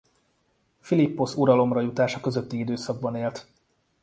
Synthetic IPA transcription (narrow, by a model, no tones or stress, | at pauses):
filipːo̞suɾɒlo̞mrɒjut̪aːʃɒkøzø̞t̪ːiid̪øːsɒɡ̚bɒneːlt̪